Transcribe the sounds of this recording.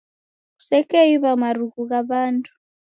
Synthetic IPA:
usɛkɛjiβamaruɣuɣaβaːntʰʼu̥

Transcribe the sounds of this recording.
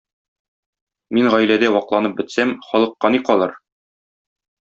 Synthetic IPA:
minʁɒjlæd̪æwɒqlˠɑnɤp̚bɘ̆t̪sæmχɒlˠɤ̆qːɑniqɒlˠɤɾ

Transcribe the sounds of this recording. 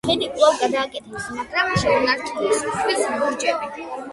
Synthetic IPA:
ɛnikʼlˠavɡad̪aːkʼɛt̪ʰɛpsmaɡɾamʃɛunaɾt̪ʰʼiistʰwisɔɾt͡ʃʼɛbi

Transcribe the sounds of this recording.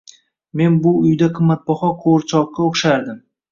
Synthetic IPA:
me̞nbʊʊjd̪aqʰɨmːat̪̚bɒχɒqʰoɾt͡ʃʰɒq̚qɑoχʃaɾd̪ɪm

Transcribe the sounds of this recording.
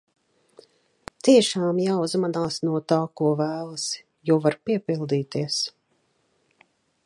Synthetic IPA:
t̪iɛʃaːmjaːuzmanaːsnuɔt̪aːkuɔvæːlˠɐs | juɔvaɾpiɛpilˠd̪iːt̪iɛs

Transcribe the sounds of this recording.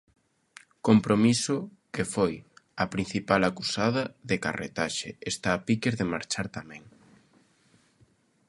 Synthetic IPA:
kompɾomisʊkefojɐpɾin̟θipalakusaðɐðeka̰rḛt̪aʃḛest̪aːpikeɾðemaɾt͡ʃaɾt̪amɛ̃ŋ

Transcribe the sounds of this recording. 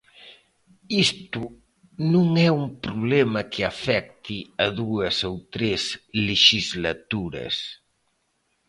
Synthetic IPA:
ist̪u | nũŋɛumpɾuβlɛmɐkʰeafɛk̚t̪iaðuɐsowt̪ɾezleʃizlat̪uɾɐ̰s

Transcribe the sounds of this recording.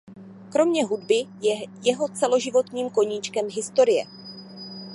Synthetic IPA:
kɾo̞mɲɛɦudbɪjɛjɛɦo̞t͡sɛlo̞ʒɪvo̞t̪ɲiːmko̞ɲiːt͡ʃkɛmɦɪst̪o̞ɾɪjɛ̰

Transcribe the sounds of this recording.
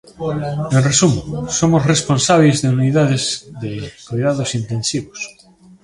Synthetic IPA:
eresumosomozresponsaβezðeuniðaðezðekojðaðosint̪ensiβos

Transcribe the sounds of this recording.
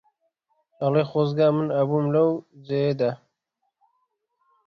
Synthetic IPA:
ɑlexozɡaːmɨnɐbumlɐwzejed̪a

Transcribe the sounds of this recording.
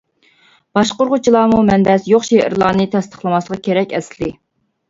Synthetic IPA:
b̥ɑʃqoɾʁʊt͡ʃʰilˠɑːmumɛnd̪ɛsjoχʃeʔɪ̰ɾlˠɑːnɨt̪ʰɛst̪ʰə̥χlˠɨmɑslˠəʁɑkʲʰeɾɛkʲɛslɪ

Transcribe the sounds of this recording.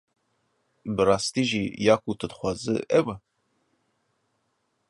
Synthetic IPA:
bɨrɑːst̪iːʒijɑːkut̪ʰɨd̪xʷaːzɨ̰ʔɛwɨ

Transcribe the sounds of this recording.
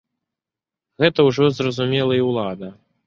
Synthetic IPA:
ɣɛt̪ɐwʐɔzrɐzumʲɛlˠɐiwlˠad̪ɐ

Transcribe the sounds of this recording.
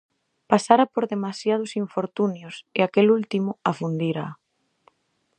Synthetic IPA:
pasaɾapoɾðemasjað̞ʊsiɱfoɾt̪unjoseakelult̪imʊafund̪iɾa

